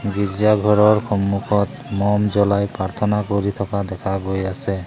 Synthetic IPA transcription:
ɡiɹzaɡʱɔɹɔɹxɔmːukʰɔt | mɔmzɔlajpɹaɹt̪ʰɔnakoɹit̪ʰɔkad̪ɛkʰabojasɛ

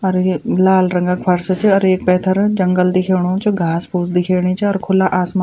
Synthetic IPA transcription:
ɐɾelaːlɾɐ̃ŋɡəkpʰɐɾst͡ʃɐɾeːk̚pɛːt̪ʰəɾd͡ʒɐŋɡəld̪ɪkʰeːɽ̃õːt͡ʃɡʱaːspuːsd̪ɪkʰeːɽ̃eːt͡ʃɔːɾkʰʊlaʔaːsma

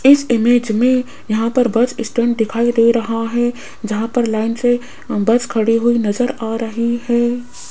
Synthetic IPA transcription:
ɪsɪmeːd͡ʒmẽ | jɐɦãpɐɾbɐt͡ʃɪsʈẽːɳʈ̚d̪ɪkʰaːid̪eːɾɐɦaɦɛ | d͡ʒɐɦãpɐɾlaːɪnse | bɐt͡ʃkʰɐɽiɦʊinɐzəɾaːɾɐɦiɦɛː

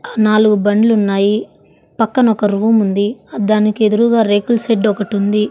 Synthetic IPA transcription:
naːluɡubɐɳɖlunːaːji | pɐkːɐnɔkɐɾuːmund̪id̪aːnikie̞d̪uɾuːɡaːɾeːkulseɖɔkɐʈund̪i

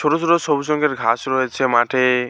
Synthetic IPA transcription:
t͡ʃʰoɾosɾosɔbusɔŋkʰeɾɡʱasɾɔet͡ʃʰemaʈʰe

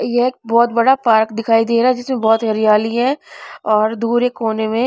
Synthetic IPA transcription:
jeeːk̚bɔːt̪bɐɽapaːɾkd̪ɪkʰaːid̪eːɾaːɦɛd͡ʒɪsmẽbɔːt̪ɦɐɾijaːliɦɛ̃ɔːɾd̪uːɾekoːnemẽ

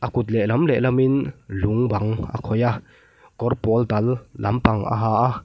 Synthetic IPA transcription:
ʔɐkut̪̚lɛʔlɐmlɛʔlɐminluŋbaŋʔa̰kʰɔja | kɔrpɔlt̪ɐlːɐ̰mpaŋʔa̰ɦaːʔa

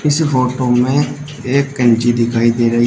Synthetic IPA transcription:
ɪspʰoːʈomẽ | eːkːə̃nt͡ʃid̪ɪkʰaːid̪eːɾɐɦi

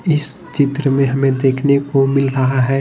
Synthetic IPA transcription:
ɪs | t͡ʃɪt̪ɾəmẽɦɐmẽd̪eːkʰnekomɪlɾɐɦaɦɛː

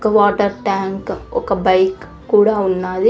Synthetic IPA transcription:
kːɐʋaːʈɐɾʈaːŋkɔ̰kːɐbɐjkː | uːɽaːunːaːd̪i

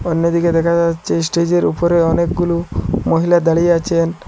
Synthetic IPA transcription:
ɔnːed̪iked̪ɛkʰad͡ʒat͡ʃʰesʈed͡ʑeɾṵpɔɾeɔnek̚ɡulumoɦilad̪aɭieat͡ʃʰen

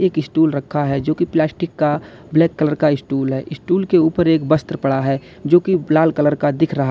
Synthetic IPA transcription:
eːkɪsʈuːlɾəkʰːaɦɛd͡ʒoːkiplɛːsʈɪkːa | blɛːkːələɾkaɪsʈuːlɦɛːʔɪsʈuːlkeuːpəɾeːkbəst̪ɾəpəɽaɦɛ | d͡ʒoːkilaːlkələɾkad̪ɪkʰɾɐɦa

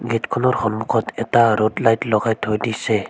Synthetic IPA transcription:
ɡɛtkʰɔnɔɾxɔnmukʰɔtɛtaɾodlajtlɔɡajthojdisɛ

